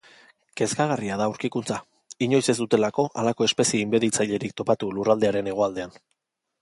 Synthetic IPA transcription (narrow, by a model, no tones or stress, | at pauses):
ke̞skaɣ̞ariað̞auɾkikunt͡sa | iɲo̞jse̞zd̪ut̪e̞lako̞ʔalako̞e̞spe̞sie̞imbe̞ðit͡sajʎe̞ɾikt̪o̞pat̪ulurald̪e̞aɾe̞ne̞ɣ̞o̞ald̪e̞an